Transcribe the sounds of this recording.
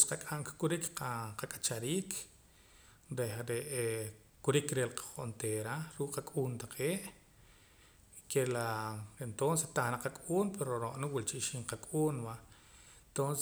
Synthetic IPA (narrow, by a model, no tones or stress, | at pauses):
sqakʼaŋkkuɾikaqakʼat͡ʃaɾiːk | ɾehɾeʔe | kuɾikɾelqʰḁχont̪eɾaɾuːkʼqakʼuːnt̪aqʰeːʔ | kelaent̪onsest̪aχnaqakʼuːnpeɾoɾoʔniwilt͡ʃiʔʃiɴqakʼuːnwa | ent̪ons